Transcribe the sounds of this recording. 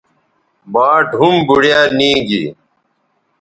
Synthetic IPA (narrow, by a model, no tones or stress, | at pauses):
baːʈɦumbuɽjaːnĩːɡḭː